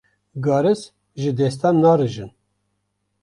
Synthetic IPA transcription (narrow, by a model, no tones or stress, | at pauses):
ɡɑːɾɨs | ʒɨd̪ɛst̪anːɑːɾɨʒɨn